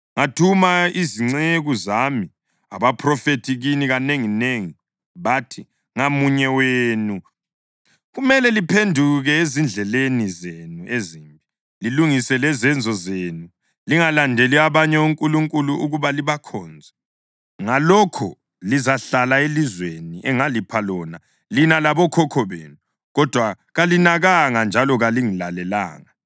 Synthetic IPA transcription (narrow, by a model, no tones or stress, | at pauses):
ŋatʰumaiziŋ͡ǀeɣuzami | a̰βapʰrɔfetʰiɣiniɣaneŋineŋi | βatʰi | ŋamuɲɛweːnu | ɣumɛlɛlipʰendʱuɣɛezind͡ɮʱɛlenizenueziːmbʱi | liluŋisɛlɛzɛnd͡zʱɔzeːnu | liŋalandʱeliaβaɲɛuŋkʼuluŋkʼuluʔuɣuβaliβakʰɔːnd͡zʱɛ | ŋalɔkʰɔ | lizaɬalaelizweniʔɛŋalipʰalɔna | linalaβɔkʰɔkʰɔβḛnu | ɣɔd̥ʱwa | ɣalinaɣaŋand͡ʒʱalɔɣaliŋilalɛla̰ːŋa